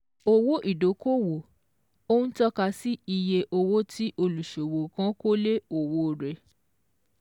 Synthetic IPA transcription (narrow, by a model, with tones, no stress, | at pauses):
o˧wo˦ʔi˦˨do˨˦ko˦wo˨ | o˦n̩˦tɔ˦ka˧si˦i˧je˧ʔo˧wo˦tʰi˦ʔo˧lu˨ʃo˨wo˨kã˦ko˦le˦o˨wo˧˦ɾɛ˨